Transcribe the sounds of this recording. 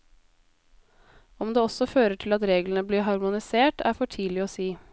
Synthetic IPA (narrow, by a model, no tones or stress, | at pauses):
ɔmd̪eːɔsɔføːɾəʈʰɪlɑt̪ɾeːɡlənəbliːɦɑɾmʊnɪseːʈʰæ̰ːɾfɔʈʰiːlɪɔːsiː